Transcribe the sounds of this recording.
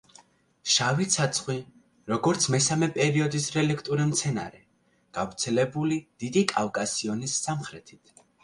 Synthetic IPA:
ʃavit̪sʰat̪sʰχwi | ɾɔɡɔɾt̪sʰmɛsamɛpʼɛɾiɔd̪isɾɛlɛkʰt̪ʼuɾimt̪sʰɛna̰ɾɛ | ɡ̥avɾt̪sʰɛlɛbulid̪̥id̪ikʼa̰fkʼasiɔnisːamχɾɛt̪ʰit̪ʰ

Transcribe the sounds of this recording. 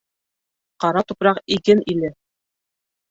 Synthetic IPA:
qɑɾɑt̪upɾɑqiɡɘnilɘ

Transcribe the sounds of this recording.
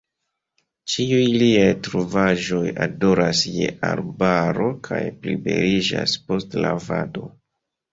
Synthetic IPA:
t͡ʃiujliajtɾuvaʒo̞jado̞ɾasjeʔaɾbaɾo̞kʰajplibe̞ɾid͡ʒaspo̞stlavado̞

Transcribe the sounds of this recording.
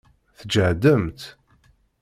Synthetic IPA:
θəd͡ʒəʕd̪əmt̪

